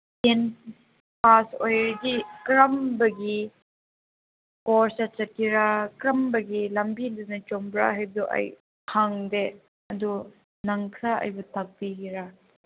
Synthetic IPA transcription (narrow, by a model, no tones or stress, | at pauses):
ten | pasojɾɡikɾɐmbɐɡi | koɾsɐt͡ʃɐt̚kiɾakɾɐmbɐɡilɐmbindɯnɐt͡ʃombɾa̰ɦajb̚duʔɐ̰j | haŋde | ɐdu | nɐŋkʰɾaɐ̰jbɐtʰɐk̚biɡiɾa